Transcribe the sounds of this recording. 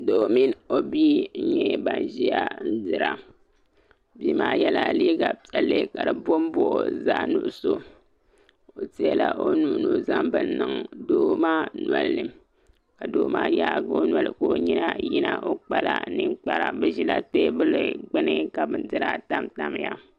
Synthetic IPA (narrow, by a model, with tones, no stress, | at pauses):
do˨mi˦no˦bi˦ɲɛ˦ba˨n˨ʒi˦ja˦n̩˦dɨ˦ɾa˨ | biː˦maː˦jɛ˦la˨liː˦ɡa˨pɛ˨lːɨ˦ka˨dɨ˨bo˦m˦bo˦˨ʔo̰˨za˦nu˨ʔso˦ | o˨ti˦a˦la˦ʔo˦nu˨˦nu˨za˦mbɨ˦˨n˦nɨ˨ŋdoː˦maː˦nwa˨lːɨ˨ | ka˨doː˨maː˦jaː˦ɡo˦nwa˨lɨ̰˨ko˦ɲi˦na˦ji˦na˦ʔo˦k͡pa˦la˦˨nɨ˦ŋk͡pa˦ɾa˨bɛ˦ʒi˦la˦te˦bɨ˦lɨ˦ɡ͡bɨ˦nɨ˦ka˨bɨ˦n˦dɨ˦ɾa˦ta˦mta˨m˦ja˦